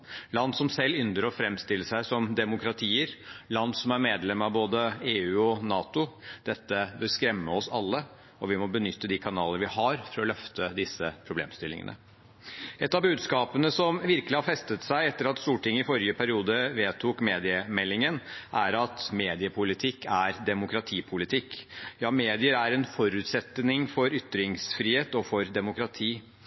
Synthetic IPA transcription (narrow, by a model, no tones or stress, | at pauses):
lɑnsɔmsɛlːʏnd̪əɾɔfɾɛmst̪ɪlːəʂæɪsɔmd̪ɛmʊkɾɑt̪ʰiːəɾlɑnːsɔmæɾmeːd̪lɛmːɑʋboːd̪əeːʉːɔnɑːt̪ʊd̪̥ɛt̪ːəbəɾskɾɛmːəɔsɑlːə | ɔʋɪmɔbənʏt̪ːəd̪ɪkʰɑnɑːlənəɾʋɪhɑɾfɔɾɔlœft̪əd̪ɪsːəpʰɾʊblḛːmst̪ɪlɪ̰ŋə̰nə̰ | ʔɛt̪ːɑbʉːd̪skɑːpənəsɔmʋɪɾkəlɪhɑɾfɛst̪ət̪sæɪɛt̪ːəɾɑt̪st̪uːʈʰɪŋːəɪfɔɾjəpʰæɾɪuːd̪əʋeːt̪ʰukmeːd̪ɪəmɛlːɪŋənʔæɾɑt̪meːd̪ɪəpʰʊlɪt̪ʰɪkːæɾd̪ɛmʊkɾɑt̪ʰiːpʰʊlɪt̪ʰɪkːjɑːmeːd̪ɪəɾæɾɛnfɔɾʉːt̪sɛt̪ːnɪŋfɔɾʏt̪ːɾɪŋsfɾiːheːt̪ɔfɔɾd̪ɛmʊkɾɑt̪ʰiː